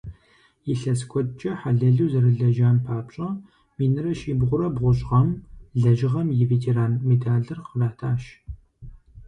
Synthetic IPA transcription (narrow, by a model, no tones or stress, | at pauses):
jɪɬɐskʷʰɔd̚t͡ʃʼɐħaɮɐɮuwzɐɾɨɮɐʒaːnpʰaːpɕʼɐ | miːnɨrɐʃiːbʁʷʊɾɐbʁʷʊɕʼʁɐmɮɐʒɪʁɐmjɪveːtʰeɾaːnmeːtʰaːɮɨrqəvaːtʰaːʃ